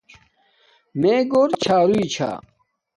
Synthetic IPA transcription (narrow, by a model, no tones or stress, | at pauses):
meɡoːɾt͡ɕʰaːɾuit͡ɕʰa̰ː